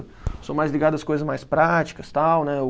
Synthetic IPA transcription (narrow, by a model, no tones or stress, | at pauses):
somajzliɡad̪ʊɐskojzɐzmajspɾat͡ʃi̥kɐst̪awnɛe